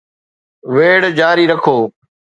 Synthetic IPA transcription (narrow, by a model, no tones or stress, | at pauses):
ʋeːɽd͡ʒaːɾiɾəkʰoː